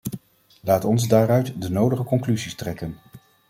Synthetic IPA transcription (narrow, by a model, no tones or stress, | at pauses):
laːtɔnzdaːrœɥtdənowdəχəkɔŋklyzistrɛkən